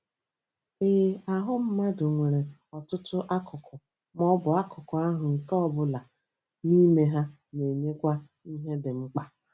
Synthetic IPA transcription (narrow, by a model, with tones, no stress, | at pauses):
e˨˦a˨ɦʊ˦m̩˦ma˦dʊ˨ŋʷe˨ɾe˨ɔ˨tʊ˦tʊ˦ʔa˦kʰʊ˨kʰʊ˨ | mɔ˦bʊ˨a˦kʊ˨kʊ˨a˦ɦʊ˨ŋ̩˨kɔ˦bʊ˨la˨ | ni˦me˦ɦa˦ | ne˨ɲe˦kʷa˦ | i˦ɦe˦dɪ˨ŋ͡m̩˦k͡pa˦